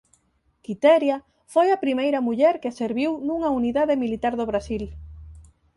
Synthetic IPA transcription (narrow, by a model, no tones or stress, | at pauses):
kit̪ɛɾjɐ | fojɐpɾimejɾɐmuʎɛɾkeseɾβiwnuŋɐuniðaðɪmilit̪aɾðoβ̞ɾasil